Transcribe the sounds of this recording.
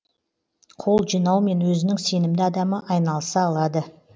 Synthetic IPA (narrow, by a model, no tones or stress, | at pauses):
qʰo̞lˠʒijnɑwme̞nwɵzɪnɪŋse̞nɪmd̪ɪɑd̪ɑməʔɑjnɑlˠəsɑːlˠɑd̪ə